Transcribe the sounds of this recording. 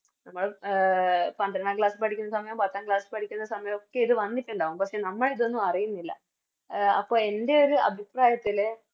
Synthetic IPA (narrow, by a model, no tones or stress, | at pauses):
nɐmːɐɭ | pɐnd̪ɐɾɐnaːkɭaːsɨpɐʈʰikʲːunːɐsɐmɐjɐmpɐt̪ːaːnkɭaːsɨ̥pɐʈʰikʲːunːɐsɐmɐjɐmokːeiðɨʋɐnːitʲːuɳɖaːʋumpɐkʂe̞nɐmːɐɭiðo̞nːuɐrijunːilːɐ̰ | ɐ̰pːo̞ːɭe̞nde̞o̞ɾuɐ̰bʱipraːjɐt̪ːil